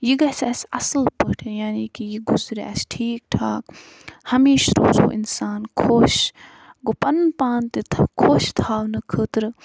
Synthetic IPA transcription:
jiɡɐsɐsɐsəlpəʈʰejaːniːkijiɡuzɾɛ̰sʈʰiːk̚ʈʰaːk | hɐmeːʃɾo̰ːzo̰ːʔinsaːnkʰoːʃ | ɡopɐnpaːnt̪it̪ʰkʰoːʃt̪ʰaːwnɨkʰəːt̪ɾ

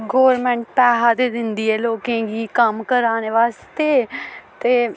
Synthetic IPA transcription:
ɡoːɾmɛ̃ɳʈ̚pɛːɦaːd̪eːd̪ɪnd̪iːɛːloːkẽːɡiːkəmkəɾãːneːʋaːst̪eːt̪eː

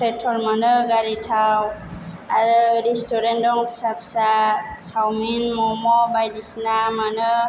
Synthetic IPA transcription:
pʰɾɛtʰːɔɹmanɯɡaɹitʰaw | aɹuɹɛstɔɾendɔŋksapsa | sawminmɔmɔbajdisnamanɯ

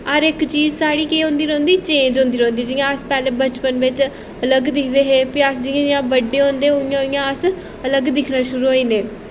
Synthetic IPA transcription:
əɾɪkt͡ʃiːd͡ʒsaːɽiːkeːɦõːnd̪iːɾːnd̪iːt͡ʃẽːnd͡ʒõːnd̪iːɾõːnd̪iːd͡ʒɪjãəspɛːleːbət͡ʃpənʋɪt͡ʃ | ələɡd̪ɪkʰd̪eːɦeːpɪasd͡ʒɪãːd͡ʒɪjãːbəɖːeːɦõːnd̪eːɦoɪjãːɦoɪjãːəs | ələɡd̪ɪkʰnaːʃʊɾuːɦoːiːneː

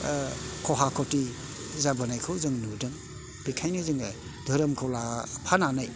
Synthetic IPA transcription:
kʰɔɦakʰɔti | zabanajkʰɯwzɯŋnudɯŋ | bikʰajnizɯŋ | dʱɯɾɯmkʰɔwlapʰananaj

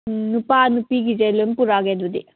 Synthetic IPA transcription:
nupaːnupiɡid͡ʒelɯmpuɾaɡed̪ud̪i

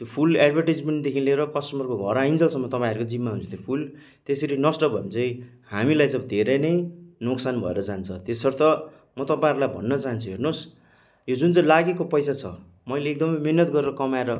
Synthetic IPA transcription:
t̪jopʰulaɖbʱʌrʈed͡zmeɳʈd̪ekʰinleɾʌkʌsʈʌmʌrkoɡʱʌɾaind͡zʌlsʌmːʌt̪ʌpãʌɾukod͡zimːaɦunt͡sʰot̪ʰjopʰul | t̪eseɾinʌsʈʌbʱʌmt͡sʌj̃ | hamilajt͡sʌd̪ʱeɾʌjnʌjnoksanbʱʌ̰ḛɾʌd͡zant͡sʰʌt̪esʌɾut̪ʌ | mʌt̪ʌpãɾulajbʱʌ̰nːʌt͡saɦʌnt͡sʰuɦernos | jod͡zunt͡sãlaɡekopʌjsat͡sʰʌ̰ | mʌjleːk̚d̪ʌmʌjmiɦnʌt̪ɡʌɾeɾʌkʌmaeɾʌ

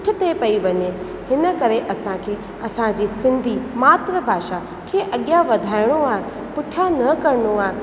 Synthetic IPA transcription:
ʊʈʰɪ̆t̪epɐiʋɐɲe | hɪnə̆kɐɾeʔɐsãkʰeː | ɐsãd͡ʑiːsɪ̃nd̪ʱimaːt̪ɾəbʱaːʃa | kʰeːʔɐɠjaʋɐd̪ʱaːɪɽ̃oaːɦɪ | pʊʈʰjanɐkɐɾənoaː

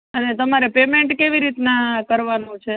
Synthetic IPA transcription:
ənet̪əmaɾepemeɳʈkeʋiɾit̪nakəɾʋanũt͡ʃʰe

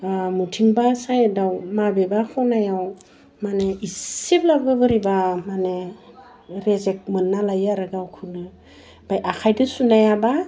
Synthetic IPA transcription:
mutʰiŋbasajdawmabebakʰɔwnajaw | maneisiblab̚ɡɯbɯɾibamane | ɾezek̚mɯnːalajaɾɯɡawkʰɯnɯ | b̥ajʔakʰajdɯsunajaba

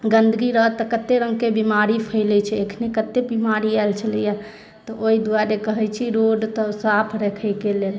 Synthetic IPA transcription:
ɡənd̪ʱəɡiɾəɦt̪ːəkət̪eɾəŋɡkebimaɾipʰəɪlɛt͡ʃʰɛekʰnekət̪ːebimaɾialt͡ʃʰəlija | t̪ɔʔoid̪uaɾekəɦɛjt͡ʃʰiɾoɖt̪ɔsapʰɾekʰəjkelel

